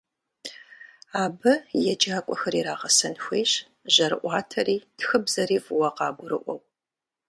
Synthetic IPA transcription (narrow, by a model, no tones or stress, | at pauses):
aːbɐjɛd͡ʒaːkʷʼɔxɐɾiːɾaːʁɐsɐnxʷeːɕ | ʑɐɾɨ̰ʔʷɑːtʰɐriːtxɨbzɐɾiːfwɐqɑːbʷʊɾɨʔʷɔw